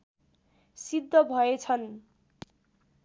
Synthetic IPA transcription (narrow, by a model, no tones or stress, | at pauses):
sid̪ʱːʌbʱʌet͡sʰʌn